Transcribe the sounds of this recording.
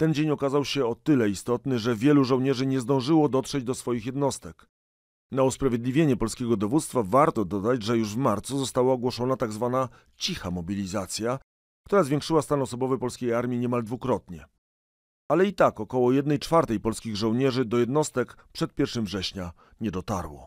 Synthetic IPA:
t̪ɛnd͡ʑeɲɔkazawɕɛɔt̪ɘlɛist̪ɔt̪nɘʐɛvʲjɛluʐɔ̃wɲɛʐɘɲɛzd̪ɔ̃w̃ʐɘwɔd̪ɔt̪ʂɛd͡ʑd̪ɔsfɔjixjɛd̪nɔst̪ɛk | nauspɾavʲjed̪lʲivʲjeɲɛpɔlskʲɛɡɔd̪ɔvut̪st̪favaɾt̪ɔd̪ɔd̪at͡ɕʐɛjuʐvmaɾt̪suzɔst̪awaɔɡwɔʂɔnat̪aɡzvana | t͡ɕixamɔbʲilʲizat̪sʲja | k̚t̪uɾazvʲjẽŋkʂɘwast̪anɔsɔbɔvɘpɔlskʲejaɾmʲjiɲɛmald̪vukɾɔt̪ɲɛ | alɛit̪akɔkɔwɔjɛd̪nɛjt͡ʂfaɾt̪ɛjpɔlskʲiɣʐɔ̃w̃ɲɛʐɘd̪ɔjɛd̪nɔst̪ɛk | pʂɛt̪̚pʲjɛɾfʂɘmvʐɛɕɲa | ɲɛd̪ɔt̪aɾwɔ̰

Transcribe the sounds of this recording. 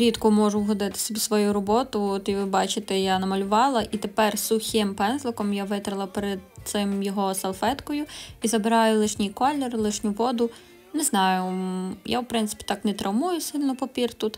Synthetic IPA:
ɾʲit̪kʊmɔʒʊɦɔd̪ɪt̪ɪ̥sʲɐbʲisʋɔjuɾɔbɔt̪ʊɔt̪iʋɪbɑt͡ʃɪt̪ejanɐmɐlʲʊʋɑlˠɐʔit̪epɛrsʊxʲɪmpɛnzlˠɪkɔmjaʋɪt̪ɾɪlˠɐpeɾed̪̚t̪sɪmjɔɦɔsɐlˠfɛt̪kɔjʊizɐbɪɾɑjʊlˠɪʃnʲijkɔlʲːɔrlˠɪʃnʲuʋɔd̪ʊ | nɛznɑjʊja̰wpɾɪntsɪ̥pʲi̥t̪ɑknɛt̪ɾɐwmujʊsɪlʲnɔpɔpʲirt̪ut̪

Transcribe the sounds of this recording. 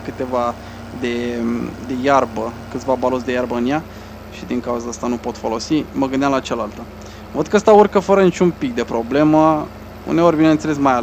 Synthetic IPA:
kɨt̪e̞va | d̪e̞d̪e̞jarbəkɨt̪sʲvabalot̪s̬d̪e̞jarbəɨnja | ʃid̪iŋkauzaast̪anupo̞t̪fo̞lo̞siməɡɨnd̪eamlat͡ʃalalt̪ə | vəd̪̚kəst̪aurkəfəɾənit͡ʃʲumpik̚d̪e̞pɾo̞ble̞mə | ṵnd̪eo̞rʲbinent̪selesmaja

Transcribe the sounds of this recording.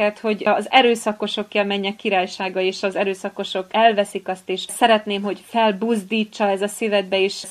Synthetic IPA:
ɛt̪ho̞ɟɒzɛɾøːsɒko̞ʃo̞kjɛlmɛɲːɛkːiɾaːjʃaːɡɒeːʃɒzɛɾøːsɒko̞ʃo̞kɛlvɛsikɒst̪eːʃsɛɾɛt̪neːmɦo̞ɟfɛlbuzd̪iːt͡ʃːɒɛzɒsivɛd̪̚bɛeːʃ

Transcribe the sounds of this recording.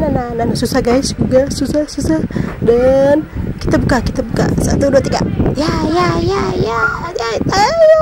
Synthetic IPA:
nanananasusahɡaisɡuɡasusahsusahdanki̥t̪abukakit̪abuka̰sa̰t̪uduat̪iɡa̰jajajajajat̪a

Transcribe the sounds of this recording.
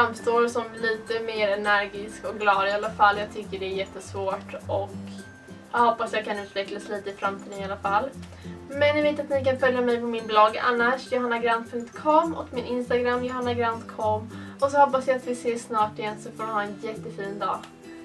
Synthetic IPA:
famst̪oːɾsɔmliːt̪əmeːɾɛnæɾɡɪskɔkɡlɑːd̪ɪalːafalːjɑːɡ̚t̪ʰʏkːəɖɛæɾjɛt̪ːəsvoːʈɔk | jɑhɔpːasjɑːɡ̚kʰanʉ̟ːt̪vɛklasliːt̪əɪfɾamt̪ʰiːd̪ənɪalafalː | mɛnɪmɪt̪ːat̪nɪkanfœljamɛjpɔmɪnblɔɡa̰nːaʂjʊɦanːaɡɾand̪̚pʰɵŋkt̪kʰɔmːɔkmɪnɪnst̪aɡɾamːjʊɦanːaɡɾant̪kʰɔmː | ɔs̬ɔhɔpːasjaat̪vɪseːsnɑːʈɪjɛnsɔfoːɾʋɪhɑːɛnjɛt̪ːəfiːnd̪ɑ̰ː

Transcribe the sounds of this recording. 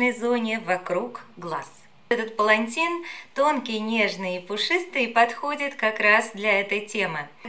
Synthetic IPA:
nəjzo̞nʲɪvɐkɾukɡlˠa̰s | ɛt̪ət̪̚pəlˠɐnʲtʲint̪o̞nkʲɪjnʲe̞ʐnɨjipʊʂɨst̪ɨːpɐt̪xo̞dʲɪt̪kɐkɾasd̪lʲɐɛt̪əjtʲe̞mɨ

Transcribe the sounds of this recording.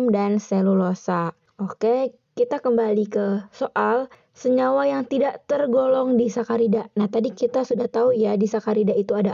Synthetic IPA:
mdanselulosa | oke | kit̪akəmbalikəsoʔal | səɲawajaŋt̪idaʔt̪ərɡolɔŋdisakaɾidanaht̪adikit̪asudaht̪aujadisakaɾidait̪uada

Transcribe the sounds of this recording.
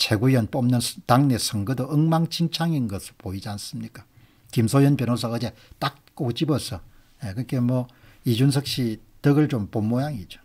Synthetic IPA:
t͡ɕʰeɡujʌnpomnɯnstaŋnesʰɯŋɡɯdoɯŋmaŋt͡ɕʰiŋt͡ɕʰaŋinɡʌsʰɯɭpoid͡ʑians͈ɯmɲik͈ḁ | kimsʰojʌnpjʌnos̬ʰʌːd͡ʑe | t͈ak̚k͈okt͡ɕibʌsʰʌ | jekɯk͈emwʌ | id͡ʑuns̬ʰʌk̚ɕ͈i | tɯɡɯɭt͡ɕompomːojaŋid͡ʑo̥

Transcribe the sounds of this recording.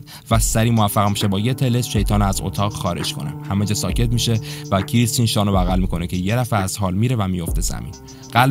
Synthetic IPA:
væsæɾiːmovæfːæɣmiʃe̞bɒːje̞t̪ʰe̞lesʃe̞jt̪ʰɒːnoæzo̰t̪ʰɒːɣxɒːɾe̞̰d͡ʒkʰo̞̰nḛhæmed͡ʒɒːsɒːcʰe̞t̪miːʃe̞væcʰiɾisinʃɒːnobæɣælmiːkʰo̞necʰe̞je̞ɾæfeæz̥hɒːlmiɾevæmijo̞ft̪ʰe̞zæ̰mḭːn | ɢæl

